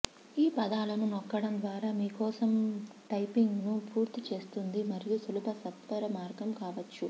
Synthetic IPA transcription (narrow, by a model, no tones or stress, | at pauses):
iːpɐd̪aːlɐnunɔkːɐɽɐmd̪ʋaːɾaːmiːkɔːsɐmʈɐjpiŋɡnupuːɾt̪it͡ʃe̞ːst̪und̪imɐɾijusulupɐsɐt̪ʋɐɾɐmaːɾɡɐmkaːʋɐt͡ʃːu